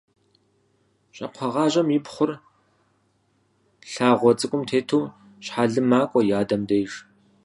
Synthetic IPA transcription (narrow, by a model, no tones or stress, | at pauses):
ɕʼɐ̰qʷʰɐʁɑːʑʼɐmjɪpχʷʊr | ɬaːʁʷɔt͡sʼɨkʷʼʊmtʰeːtʰuː | ɕħaɮɨmaːkʷʼɔjaːdɐmdɐjʒ